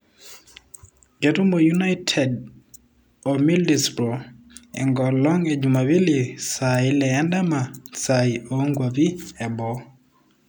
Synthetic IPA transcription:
ɡɛ˨tu˦mo˨junajtʰɛd | ɔmi˦ldɛspɾɔ˨ | ɛ̰ŋɡɔ˨lɔ˦ŋɛd͡ʒuma˨βi˦li˨sa˨i˦lɛa˦nda˦ma˨saioŋɡwa˨βi˦ɛ˨bɔ˨˦

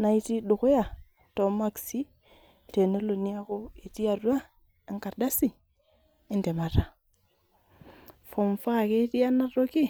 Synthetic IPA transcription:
na˨i˦ti˦ɗu˨xu˦ja˨ | to˨ma˦ksi˦ | te˨ne˦lo˨ni˦a˦ko˦e˨ti˦a˨rwa˦ | ŋka˨ɾda˦si˦ | e˦nde˨ma˨ɾa˨ | fo˨ɱfa˦˨ke˦ti˦a˦na˦ro˦ki˦

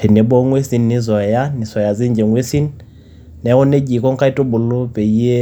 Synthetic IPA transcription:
e˨nɪ˨bɔ˦ŋwe˦si˦n˦nɪ˦zɔ˨ja˦nɪ˨sɔ˨ja˨d͡ze˦n˦d͡ʒe˨ŋwe˦si˦n | nɛ˨˦ɣʊ˦ne˦d͡ʒi˨kʼɔ˦ŋ̩˦kʼa˦i˦tʼʊ˦bʊ˨lʊ˦pʼe˨i˦e˦

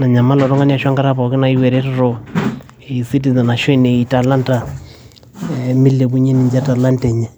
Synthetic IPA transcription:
na˨ɲa˨ma˦lɔ˨ɾɔ˦ŋa˦ni˦a˨ʃwa˦ŋɡa˦ɾa˦pɔ˨kɪ˦na˨i˦wɛ˨ɾɛ˦tɔ˦˨ɾɔ˦ | i˨si˦t̬i˨za˨na˨ʃwe˦ne˨i˨ta˨la˦nta˨ | mi˦le˨bu˦ɲe˦ni˨ɲd͡ʒa˦ta˨la˦ntɛ˨ɲɛ˨

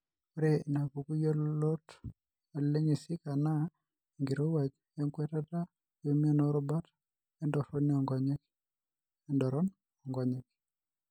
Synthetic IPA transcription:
o˦ɾe˦˨na˨ku˨ku˦jo˦lo˦t | e˨lle˦ɲe˨sɪ˦ka˨na˦˨ | ŋɡi˨ɾo˦wa˨d͡ʒ | ɔ˦ŋkwɛ˦ta˦ta˦ | jo˨mi˦a˦no˦ɾɔ˦ba˦t | ɛ˦ndɔ˨fɔ˦ni˦ɔ˨ŋɡɔ˦ɲe˦k | ɛ˨ndɔ˨ɾɔ˦n | ɔ˨ŋɡɔ˨ɲe˦k̚

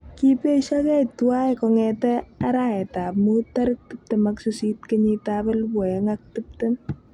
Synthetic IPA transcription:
ki˦pe˦ʃakɛ˦twa˦jkɔŋɛtɛ˦aɾa˦ɛ˨ta˨pmuta˦ɾk̚tɨp̚te˨maksusi˦tkeɲitabe˦lbwɛ˨ŋak̚tup̚tɪ˦n

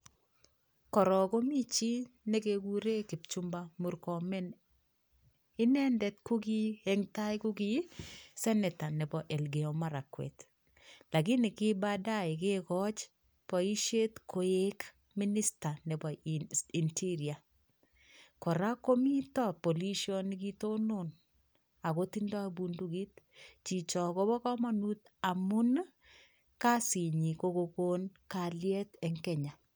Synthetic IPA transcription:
kɔ˨ɾɔ˨ɡo˦mi˦t͡ʃi˦ne˦ɡe˨ɡu˦ɾe˦ki˨pt͡ʃu˦mba˦mu˨ɾkɔ˨mɛ˦n | ɪ˦nɛ˦ndɛ˨t̪ku˦ɡi˦ɛ˦ŋta˦jku˦ɡi˦sɛ˦nɛ˨ta˨nɛ˨bɔ˨ʔɛ˨lɡe˨ɔ˨ma˦ɾa˨kwḛ˨t̪ | la˨ɡɪ˦nɪ˨kɪ˦ba˦da˦ɪ˨ɡe˦kɔ˦t͡ʃ | pɔ˨i˦ʃe˦t̪kʰo˨e˦k | mi˦ni˦sta˨nɛ˨bɔ˨i˨ntʰi˦ɾi˨a˨ | kɔ˨ɾa˦ko˦mi˦tɔ˦po˨li˦ʃjɔ˦ni˦ki˦to˦nʊ˨n | a˨ɣo˦ti˦ndɔ˦bu˨ndu˦ɡi˦t̚t͡ʃi˨t͡ʃɔ˨ko˦bɔ˦kɔ˦ma˦nu˦t | a˨mʊ˦n | ka˦si˨ɲi˨ko˦ko˨ko˦nka˨ljɛ˦tɛ˨ŋkɛ˦ɲa˨

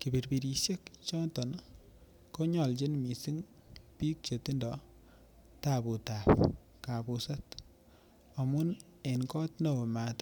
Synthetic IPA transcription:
ki˨bi˨ɾbi˨ɾi˨ʃje˦kt͡ʃɔ˦tɔ˨n | ko˦ɲɔ˨lt͡ʃi˦nmi˨si˦ŋ | pi˦k̚t͡ʃe˨ti˦ndɔ | tapu˨tap | kapusa˦t | ɔ˨mʊ˦n | enkɔ˦tno˨ma˨t

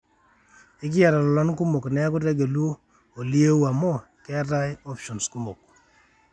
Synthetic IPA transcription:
ɪ˦k̬ɪ˦ja˨ɾa˨lɔ˨lɔ˦nku˦mo˨knɛ˦a˦kʊ˦tɛ˦ɡe˨lu˦o˦ | o˨li˦e˦wa˨mɔ˦ | kɛ˦ɾa˦jɔ˦pʃɔ˨nsku˦mo˨k̚

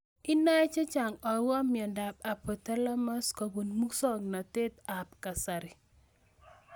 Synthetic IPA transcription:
i˦na˦ɛ˦t͡ʃe˦t͡ʃa˨ŋɔ˨wɔ˦mi˨ɔ˨nda˨p̚a˨pɔ˨ta˦la˦ma˦skɔ˨ɡu˨nmu˦ksɔ˦ŋna˨te˦t̪a˨pka˨sa˨ɾɪ˨

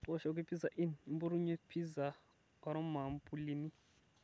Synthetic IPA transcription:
ɔ˦ʃɔ˨u˦k̬e˦pʰi˦za˨ʔi˦ni˨mbu˦ɾu˦ɲwe˦pʰi˦za˨ | ka˦ɾɔ˦ma˨mpʰʼu˦li˦ni˦

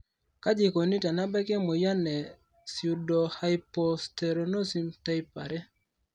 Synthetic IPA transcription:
ka˦d͡ʒi˨ko˨ni˦ta˨na˦ba˦ke˦mo˨ja˦nːe˨ | siu˨do˨hajpo˦ste˨ɾo˨no˦si˦mta˦jpa̰˨ɾɛ˦

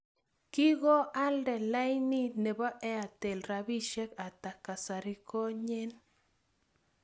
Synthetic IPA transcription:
ki˦ɡo˦a˦lde˨la˦jni˦ne˨ba˦ʔe˦a˨t̪e˨lɾa˧bi˦ʃe˦ka˨t̪a˨ka˨sa˨ɾi˧ko˦ɲe˦n

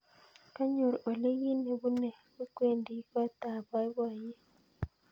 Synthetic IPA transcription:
ka˦ɲo˨ɾo˨le˦ɣi˦ne˨βu˦ne˨βu˦kwe˦˨ndi˦ka˦ta˨βa˦i˦βwa˨je˦

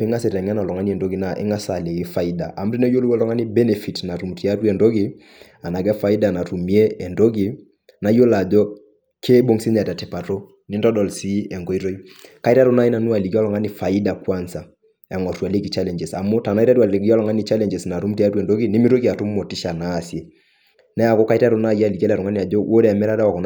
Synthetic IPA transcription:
pɛ˦ŋa˦sɛ˨ɾɛ˨ŋɛ˦nɔ˨lɔ˨ŋa˦ni˦ɛ˨ndo˦ɡi˨˦na˨ʔɪ̰˦ŋa˦sa˨le˨i˦fa˨i˦da̰˨ʔa˨m̩ɾi˦nɛ˦jo˦lu˦wɔ˦lɔ˦ŋa˦ni˦bɛ˦nɛ˨fi˨tna˨ɾu˨mti˨a˦twɛ˨ndo˦ɡi˨ | a˨na˨ɡɛ˦fa˨i˦da˨na˨tu˨mi˦e˦ɛ˨ndo˦ɡi˨ | na˨˦jo˦la˨dɔ˦ | kʰe˦ɓo˦ŋsi˦ɲa˨ta˨tɛ˨pa˨to˦ | nɪ˦ndɔ˦dɔ˨lsi˦ɛ˨ŋɡo˨˦i˦ɾo˦i˦ka˦i˦ta˦ɾɔ˦na˦i˦na˨nu˦a˨li˨ki˦ɔ˦lɔ˨ŋa˦ni˨fa˨i˦da˨kwa˦nsa˨ | ɛ˨ŋɔ˨tu˨a˨li˦ki˨t͡ʃa˦lɛ˨ɲd͡ʒɛ˨sa̰˨mo˦ta˨na˦ta˦tu˦a˨lki˦ɔ˦lɔ˨ŋa˦ni˨t͡ʃa˦lɛ˨ɲd͡ʒɛ˨sna˨tu˦mti˦a˦twɛ˨ndo˦ɡi˨nɪ˦mi˦ɾo˦ki˦a˨tu˦m˦mɔ˨ti˦ʃa˨na˦˨sje˨ | nɛ˦a˨kɔ˦ka˦i˦ta˦ɾo˦na˦˨ji˦a˦˨li˨ka˦lɾɔ˨ŋa˦ni˨a˨d͡ʒɔ˦wʔo˦ɾɛ˦a˨mɛ˦ɾa˦ɾa˦wa˨kɔ˨n

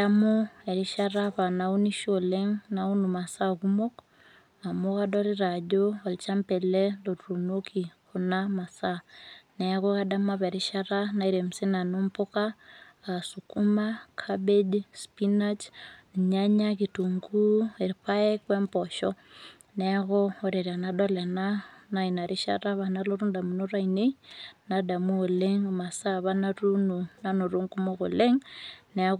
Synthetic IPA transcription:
amo˦ɛ˨ɾiʃaɾapa˨nau˦ni˦ʃoleŋnau˦nu˨ma˨saku˦mo˦k | a˨moka˦dɔɾi˦ɾad͡ʒoa˨lt͡ʃa˦mpɛ˨lɛ˦lotru˨nokʰi˨ho˨nama˨sanɛ˨ako˦ka˦da˦maβɛ˨ɾi˦ʃaɾana˨i˦ɾe˨msi˦na˨no˦mpo˦ka | sukumakʰabed͡ʒspinat͡ʃn˨ɲaɲaɣituŋɡue˨ɾiɸaɛ˦kwɛ˦mpɔʃɔ | nɛɣɔɔɾɛ˨ɾa˨nadɔ˦lɛ˨nana˨ina˨ɾʔi˦ʃa̰ɾa˦βanaloɾu˦nda˨muno˦ɾa˦ine˦nada˨mu˦o˨leŋma˨saβa˦naɾunu˨nano˨ɾu˦ŋku˦mo˦ɣṵ˨le˦ŋnɛ

